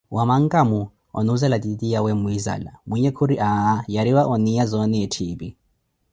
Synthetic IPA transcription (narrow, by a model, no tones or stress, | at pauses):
wʔamaŋ̩kʼamu | ɔ̰nuzɛlatitijawɛmuiza̰la̰muɲɛkʰuɾiʔaːjaɾiwaʔɔnijazɔnɛɛtʰiːpi